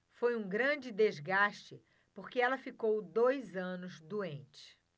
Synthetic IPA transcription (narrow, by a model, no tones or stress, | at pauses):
fojũɡɾɐ̃d͡ʒɪd̪ezɡaʃt͡ʃɪ | poɾkeɛlɐfikowd̪ojzɐ̃nʊzd̪uẽnt͡ʃɪ̥